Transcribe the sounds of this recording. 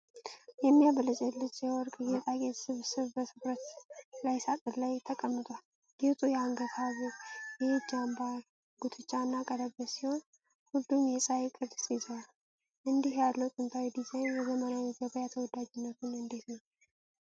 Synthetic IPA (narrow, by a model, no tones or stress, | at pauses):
jɛmːijabələt͡ʃʼɛlɨt͡ʃʼːjɛwɔɾkʼjɛt̪ʼakʼet̪sɨβsɨβbəsʰɨfɾət̪lajsat̪ʼɨlajt̪ʰəkʼəmːɨt̪ʼʷal | ɡet̪ʼujɛaŋɡət̪ʰaβujɛd͡ʒamba | ɡ̥ut̪ʰɨt͡ʃʼːanːakʼəd̪əbəsiho̞n | hulːumjɛsʼajkʼɨɾd̪sizal | ʔɨnd̪ihjad̪lːəwt̪ʼɨnt̪ʰawid̪izajnzəmənajɛɡəβajat̪ʰəwɔd̪ad͡ʒɪnːət̪ʰunɨnd̪it̪nəw